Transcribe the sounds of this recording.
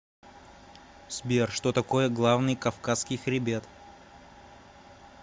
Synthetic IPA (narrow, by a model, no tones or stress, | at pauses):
sʲbʲerʂt̪ot̪ɐko̞jəɡlˠavnɨjkɐfkaskʲɪjxɾʲɪbʲet̪